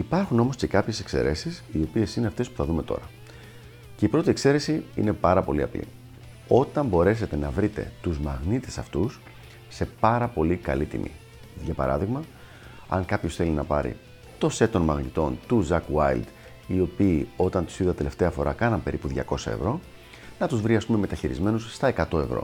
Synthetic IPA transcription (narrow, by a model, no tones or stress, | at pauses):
ipɐɾxuno̞mo̞sce̞kɐpçe̞se̞kse̞̰ɾʔe̞sisio̞pie̞sineɐft̪e̞spu̥θɐðume̞t̪o̞̰ɾɐ | ce̞ipɾo̞t̪iekse̞ɾe̞siḭne̞pɐɾɐpo̞̰liɐ̰plḭ | o̞t̪ɐmbo̞ɾe̞se̞t̪e̞nɐvɾit̪e̞̰t̪uzmɐɣnit̪e̥sɐft̪us | se̞pɐɾɐpo̞likɐ̰lit̪ḭmʔḭ | ʝɐpɐ̰ɾɐ̰ðiɣmɐ | ɐ̰ŋkɐpço̞sθe̞linɐpɐɾḭ | t̪o̞se̞t̪onmɐɣnit̪o̞nt̪uzɐkwɐjld̪ | io̞piːo̞t̪ɐnt̪u̥siðtɐt̪e̞le̞ft̪e̞ɐfo̞ɾɐkɐnɐmpe̞ɾipuðʝɐ̰ko̞sɐ̰e̞̰vɾo̞ | nɐt̪uzvɾiɐst̪ume̞me̞t̪ɐçiɾḭzme̞nusst̪ɐekɐt̪o̞e̞vɾo̰